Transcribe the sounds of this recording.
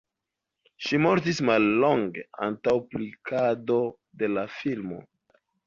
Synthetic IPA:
ʃimo̞ɾtismalːo̞ŋɡe̞a̰ntawplikʰado̞ | de̞lafilmo̞̰

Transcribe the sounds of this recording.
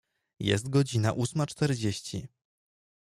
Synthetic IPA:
jɛ̰st̪̚ɡɔd͡ʑina̰ʔusmat͡ʂt̪ɛɾd͡ʑeɕt͡ɕḭ

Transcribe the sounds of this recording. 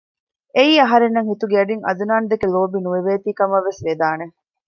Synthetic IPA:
eiːɐɦɐɾenːɐŋhit̪uɡeɐɖiŋɐ̰d̪unaːnd̪ekeloːbinuʋeʋeːt̪iːkɐmɐʋːesʋed̪aːne

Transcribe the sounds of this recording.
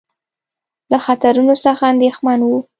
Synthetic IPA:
laxat̪aɾunosəxaand̪exmanwu

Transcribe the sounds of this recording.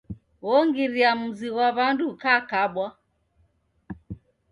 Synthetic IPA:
wɔŋɡiɾiam̩ziwaβandukakaɓwa

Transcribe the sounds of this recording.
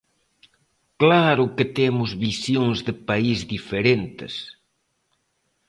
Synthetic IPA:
klaɾʊkɪt̪emʊzβisjoŋzðɪpaizðifeɾent̪ɪ̰s

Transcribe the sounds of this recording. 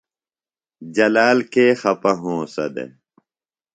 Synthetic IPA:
d͡ʑɐlaːlkeːxɐpɐɦõːsɐd̪ḛ

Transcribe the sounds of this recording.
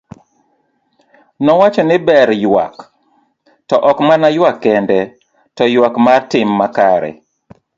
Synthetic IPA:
nɔwat͡ʃɔnɪbɛɾjwa̰k | tɔʔɔkmanajwakːɛndɛ | tɔjwakmartɪmːakaɾɛ̰

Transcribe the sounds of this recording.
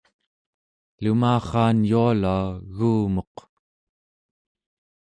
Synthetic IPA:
lumaːχɑːnjualauɣuːmo̞q

